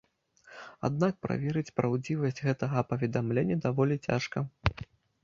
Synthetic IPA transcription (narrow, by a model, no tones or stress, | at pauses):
a̰d̪nak̚pɾa̰vʲɛɾɨt͡sʲpɾawd͡zʲivɐsʲd͡zʲɣɛt̪ɐɣɐpɐvʲɛd̪amlʲenʲːɐd̪avɔlʲit͡sʲa̰ʂkɐ